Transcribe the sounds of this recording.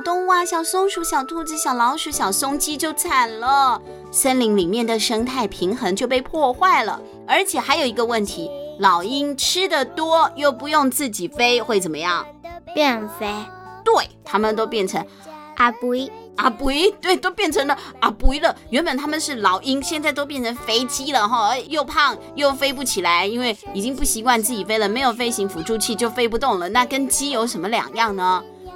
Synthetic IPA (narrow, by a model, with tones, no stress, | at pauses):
t̪ʊ˥ŋwa˥˩ɕjɑ˨˩ʊsʊ˥ŋʂu˧˥ɕjɑ˨˩ʊt̪ʰu˥˩t͡sɹ̩˧ɕjɑ˨˩ʊlɑ˧˥ʊʂu˧˥ɕjɑ˨˩ʊsʊ˥ŋt͡ɕi˥t͡ɕjo˥˧ʊt͡sʰa˨˩nlə˨˧ | ʂə˥nli˧˥ŋli˨˩mjɛ˥˩nd̪ə˩ʂɤ˥ŋt̪ʰa˥˩ɪpʰi˧˥ŋxɤ˧˥ŋt͡ɕjo˥˧ʊp̬e˥˧ɪpʰwɔ˥˧xwa˥˩ɪlə̰˩ | ə˞˧˥t͡ɕʰjɛ˨˩xa˧˥ɪjo˨˩ʊi˧˥ɡə˧wə˥˩nt̪ʰi˧˥lɑ˨˩ʊi˥ŋʈ͡ʂʰɻ̩˥d̪ə˨t̪wɔ˥jo˥˩ʊpu˧˥jʊ˥˧ŋt͡sɹ̩˥˩t͡ɕi˨˩fe˥ɪxwe˥˩ɪt͡sə˨˩nmə˦jɑ˥˩ŋpjɛ˥˩nfe˥ɪt̪we˥˩ɪt̪ʰa˥mə˨nt̪o˥ʊpjɛ˥˩nʈ͡ʂʰə˧˥ŋ | ʔa˨˩pu˧˩i˥a˨˩pu˧˥i˥t̪we˥˩ɪt̪o˥ʊpjɛ˥˩nʈ͡ʂʰə˧˥ŋd̪ə˧a˧˩pu˧˥i˥lə˨ɥɛ˧˥npə˨˩nt̪ʰa˥mə˨nʂɻ̩˥˩lɑ˨˩ʊi˥ŋɕjɛ˥˧nt͡sa˥˧ɪt̪o˥ʊp̬jɛ˥˩nʈ͡ʂʰə˧˥ŋfe˥ɪt͡ɕi˥lə˨xɔ˥˧˥jo˥˧ʊpʰɑ˥˩ŋ | jo˥˩ʊfe˥ɪp̬u˥˩t͡ɕʰi˨˩la˧˥ɪi˥nwe˥˩ɪi˨˩t͡ɕi˥ŋpu˥˩ɕi˧˥kwa˥˧nt͡sɹ̩˥˩t͡ɕi˨˩fe˥ɪlə˨me˧˥ɪjo˨˩ʊfe˥ɪɕi˧˥ŋfu˨˩ʈ͡ʂu˥˧t͡ɕʰi˥˧t͡ɕjo˥˩ʊfe˥ɪp̬u˧˥t̪ʊ˥˩ŋlə˩na˥˩kə˥nt͡ɕi˥jo˧˥ʊʂə˧˥nmə˧ljɑ̰˨˩ŋjɑ˥˩ŋnə˦